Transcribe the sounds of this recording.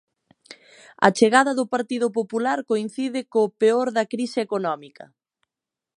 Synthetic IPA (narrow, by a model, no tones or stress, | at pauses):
ɐ̰t͡ʃeɣaðɐðʊpaɾt̪iðʊp̬opulaɾkoin̟θiðɪkoːpeoɾðɐkɾisɪekonɔmikɐ̰